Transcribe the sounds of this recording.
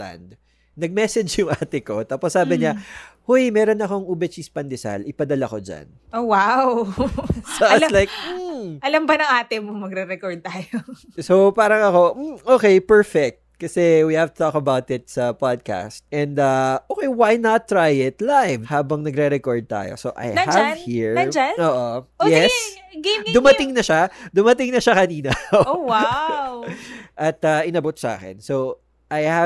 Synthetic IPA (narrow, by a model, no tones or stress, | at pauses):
a̰nd̪̚ | nɐɡ̚mɛsɛd͡ʒjʊŋʔaːt̪ɪko̞t̪aːposːaːbɪɲahojmɛːɾonɐko̞ŋubɛt͡ʃispɐnd̪ɛsa̰lʔɪpɐd̪ɐlɐko̞d͡ʒa̰n | ʔowaw | soslajk̚m̩ʔɐlɐmbɐnɐŋʔaːt̪ɛmʊmɐɡɾɛɾɛkoɹd̪̚t̪aːjo | sowpaːɾɐŋɐko̞m̩ʔoːkɛjpɛɹfɛk̚t̪̚kɐsɛwihɛvt̪ʊ̥t̪okɐbawt̪ɪt̪̚sɐpad̪̚ka̰st̪ʔɛ̃nd̪aʔoːkejwajnɐt̪ːɾajɪt̪lajvhaːbɐŋnɐɡɾɛɾɛkoɹd̪̚t̪a̰ːjo̰soʔɐ̰jhɐd͡ʒhiɹɐd͡ʒanoːʔojɛs | d̪ʊmɐt̪ɪŋnɐʃad̪ʊmɐt̪ɪŋnɐʃakɐniːnɐowawʔɐt̪aʔɪnɐbot̪sʔa̰ːkɛ̰nso | ʔajhɐ